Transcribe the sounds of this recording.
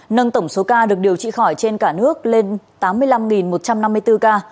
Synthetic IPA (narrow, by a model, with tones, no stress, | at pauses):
nə˧nt̪ə˧˩wŋ͡mso˨˦kaː˧ɗɨ˨˩ək̚ɗi˨˩əwt͡ɕḭ˧˨xɔ˧˩jt͡ɕe˧nkaː˧˩nɨ˦˥ək̚le˧nt̪aː˨˦mːɨ˧əjla˧mŋi˨˩nmo˨˩t̚t͡ɕa˧mna˧mːɨ˧əjt̪ɨ˧kaː˧